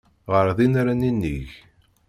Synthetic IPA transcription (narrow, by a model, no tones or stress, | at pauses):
ʁəɾðinaɾaninːḭç